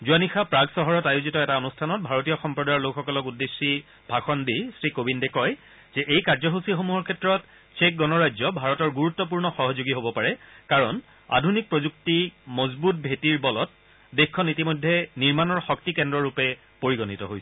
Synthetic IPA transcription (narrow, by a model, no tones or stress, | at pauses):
zuanixapɹaɡsɔɦɔɹɔtajozitɔɛtaonustʰanɔt̚bʱaɹotijɔxɔmpɹɔdajɔɹlokxɔkɔlɔkudːesːi | bʱaxɔndisɹikobindɛkɔj | z̥ɛʔejkaɹzɔxusixomuɦɔɹkʰɛtːɹɔt | t͡ʃek̚ɡɔnɔɹajzɔbʱaɹɔtɔɹɡuɹutːɔp̬uɹnɔxɔɦɔzoɡiɦobɔpaɹɛkaɹɔn | a̰dʱunik̚pɹozuk̚timɔzbut̚bʱetiɹbɔlɔt̚ | dexkʰːɔnitimɔjdʱːeniɹmanɔɹxɔktikɛndɹɔɹupɛ | poɹiɡɔnitɔɦojsɛ